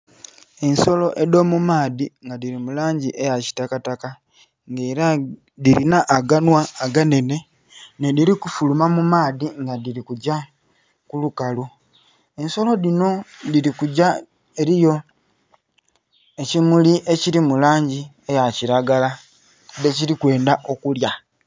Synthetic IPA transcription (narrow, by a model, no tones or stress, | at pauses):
e̞nso̞lo̞ʔe̞do̞mumaːðiŋɡadiɾimulaːɲɟiʔe̞jaci̥takataka | ŋɡeːɾa | diɾinaʔːɡanwaːɡane̞ne̞ | nediɾikufulumamumaːðiŋɡadiɾikuɟa | kulukalu | e̞nso̞lo̞ðino̞diɾikuɟa | e̞ɾijo̞ | e̞cimuliʔe̞ciɾimulaːɲɟi | e̞jaciɾaɡala | deciɾikwe̞ːndaʔo̞kulja